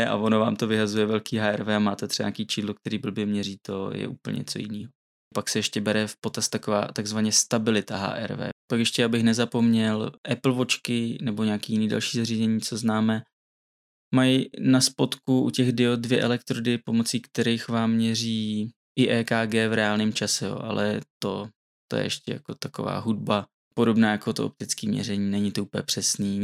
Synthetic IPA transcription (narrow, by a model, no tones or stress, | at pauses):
ɛʔa̰vonova̰ːmt̪o̞vɪɦazujɛvɛlkiːɦaːɛɾvɛːamaːt̪ɛt̪r̥ɛba̰ɲakiːt͡ʃiːdlok̚t̪ɛɾiːbl̩bjɛmɲɛɾiːt̪o̞jɛ̰ʔuːpl̩ɲɛ̰t͡sojɪ̰nḭːɦo | paksɛjɛʃcɛbɛɾɛfpo̞t̪ast̪akova̰ːt̪aɡzvaɲɛst̪abɪlɪt̪aɦa̰ːʔɛ̰ɾvɛ̰ːpakjɛʃcɛjabɪxnɛzapo̞mɲɛlʔɛpl̩vo̞t͡ʃkɪnɛboɲaaːkiːjɪniːdɛ̰lʃiːzariːzɛɲiːt͡so̞znaːmɛ | majnaspo̞t̪kuʔucɛɣdɪodvjɛ̰ʔɛlɛkt̪ɾodɪpo̞mo̞t͡siːkt̪ɛɾɛjxvaːmːɲɛriː | ʔɪʔɛːkaːɡɛːvɾɛaːlnɪmt͡ʃasɛjo̰ːʔa̰lʔɛ̰t̪o̞ | t̪ojɛ̰ɛʃcɛ̰ja̰ko̞t̪ako̞̰va̰ːɦud̚ba | po̞do̞bnaːjakot̪oo̰p̚t̪ɪt͡skiːmɲɛ̰ɾɛɲiːnɛɲɪt̪ouːplɛ̰pr̥ɛsniː